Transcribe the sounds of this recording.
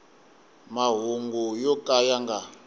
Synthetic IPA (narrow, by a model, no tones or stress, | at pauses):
maɦuŋɡujɔkʼajaŋɡa